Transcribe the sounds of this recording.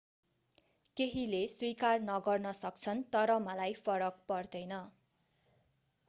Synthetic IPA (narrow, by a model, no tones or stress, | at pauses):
keɦileswikarnʌɡʌrnʌsʌk̚t͡sʰʌnt̪ʌɾʌmʌlajpʰʌɾʌk̚pʌrd̪ʌjnʌ